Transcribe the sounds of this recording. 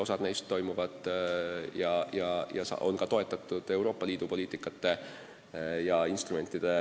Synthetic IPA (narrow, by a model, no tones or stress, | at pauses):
o̞sɑd̪ne̞jst̪ːo̞jmuvɑd̪̥ | jɑjɑjɑ̰sɑ̰o̞̰nkɑt̪o̞e̞t̪ːˑɑt̪ːˑud̪̥e̞wɾo̞ːpːˑɑliːd̪upo̞liːt̪ːˑikːˑɑt̪ːˑe̞ | jɑinst̪ɾume̞nt̪ːˑid̪̥e̞